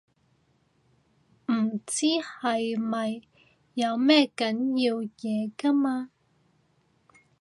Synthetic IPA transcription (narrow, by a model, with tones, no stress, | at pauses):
m̩˨˩t͡siː˥hɐ˨jmɐ˨jː | ɐ˨˧wmɛː˥kɐ˨˥njiː˧wjɛː˨˧kɐ˥maː˧